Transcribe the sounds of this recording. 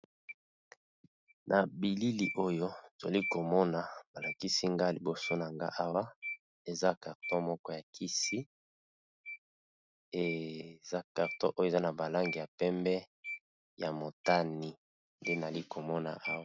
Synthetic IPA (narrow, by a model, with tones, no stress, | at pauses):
nʔa˨bi˨li˦li˨ʔo˦jo˦˨zo˨li˦ko˨mɔ˦na˨ba˨la˨ki˦si˦ŋɡa˦˨li˨bo˨so˦na˨ŋɡa̰˦ʔa˦wa˦ | e˨za˦ka˨ʁtɔ̃˦mɔ˦kɔ˦ja˨kʰi˦si˦ | e˨za˦ka˨ʁtɔ̰̃˦ʔo˦jo˦e˨za˦na˨ba˨la˦ŋɡi˨ja˨pɛ˦mbɛ˦ | ja˨mo˨ta˦ni˨ | nde˦na˨li˦ko˨mɔ˦na̰˨ʔa˦wa˦